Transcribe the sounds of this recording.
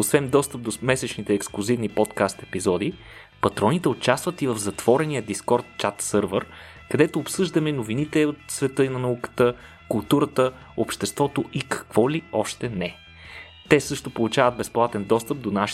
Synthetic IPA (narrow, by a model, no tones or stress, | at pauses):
osvɛnd̪ɔst̪əp̚d̪omɛsɛt͡ʃnit̪ɛːksklˠʊzivnipɔt̪kast̪ɛpizɔd̪i | pɐt̪ɾɔnit̪ɛot͡ʃast̪vət̪ivəvzɐt̪v̥ɔɾɛnijəd̪iskɔɾt̪t͡ʃat̪sɤɾvəɾ | kɐd̪ɛt̪oːpsɤʒd̪ɐmɛnovinit̪ɛot̪svɛt̪ɤinɐnɐukə̥t̪ə | kʊlˠt̪uɾət̪ə | opʃt̪ɛst̪vɔt̪oʔikɐ̥kvɔliɔʃt̪ɛnɛ | t̪ɛsɤʃt̪opolˠut͡ʃavəd̪̚bɛsplˠat̪ɛnd̪ɔst̪əp̚d̪onaʃ